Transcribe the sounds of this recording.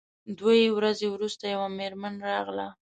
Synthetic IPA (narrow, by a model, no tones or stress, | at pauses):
d̪wajewɾazewɾust̪ajawameɾmanɾɑɣla̰